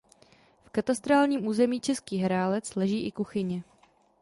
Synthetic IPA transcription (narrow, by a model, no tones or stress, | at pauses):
fkat̪ast̪ɾaːlɲiːmʔuːzɛmiːt͡ʃɛskiːɦɾaːlɛt͡slɛʒiːʔɪkuxɪɲɛ